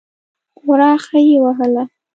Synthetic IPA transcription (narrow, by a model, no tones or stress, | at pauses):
ɣʊɾɑxajewaɦəla